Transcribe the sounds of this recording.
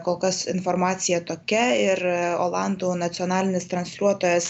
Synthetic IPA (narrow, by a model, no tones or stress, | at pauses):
koːlˠkɐsɪnfoɾmɑːt̪sʲɪjɛt̪oːkʲɛɪɾo̰ːlˠɑnd̪uːnɐt̪sʲɪɔnɑːlʲɪnʲɪst̪ɾɐnsʲlʲuɔt̪oːjɛs